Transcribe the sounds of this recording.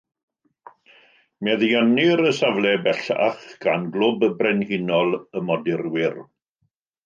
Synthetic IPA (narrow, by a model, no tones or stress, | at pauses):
mɛðianɪɾəsavlˠɛbɛɬa̰χɡ̥anɡlˠʊbəbrɛnhinɔlˠəmɔdɪrwɪr